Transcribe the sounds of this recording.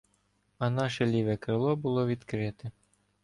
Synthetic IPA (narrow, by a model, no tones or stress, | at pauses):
ɐnɑʃɛlʲiʋɛkɾɪlˠɔbʊlˠɔʋʲid̪kɾɪt̪ɛ